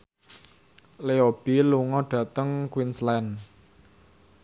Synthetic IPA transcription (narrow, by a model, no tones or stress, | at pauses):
leob̥iluŋɔɖ̥ä̤t̪əŋkwinslɛn